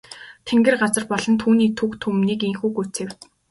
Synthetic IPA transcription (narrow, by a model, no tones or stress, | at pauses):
t̪ʰeŋɡɘ̆rɢat͡sə̆rpɔɮɞ̆nt̪ʰuːniːt̪ʰukt̪ʰumniːkiŋxuːkut͡sĕw